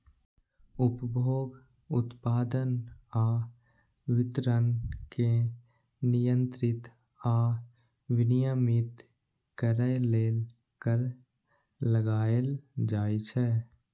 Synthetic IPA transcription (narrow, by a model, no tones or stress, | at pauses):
ʊpbʱoːɡ | ʊt̪paːd̪ənaː | wɪt̪ɾənke | nɪjə̃nt̪ɾɪt̪ | aː | wɪnɪjəmɪt̪ | kəɾəjleːl | kəɾ | ləɡaːeld͡ʒaːit͡ʃʰɛː